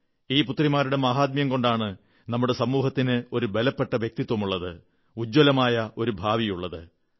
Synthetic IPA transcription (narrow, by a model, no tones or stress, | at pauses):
iːput̪ːrimaːɾuɽe̞maːɦaːd̪̚mjɐmko̞ɳɖaːɳɨ | nɐmːuɽe̞sɐmuːɦɐt̪ːinɨo̞ɾubelɐpːe̞ʈːɐʋjek̚t̪it̪ːwɐmuɭːɐðɨ | ud͡ʑːwolɐmaːjɐʔo̞ɾubʱaːʋijuɭːɐðɨ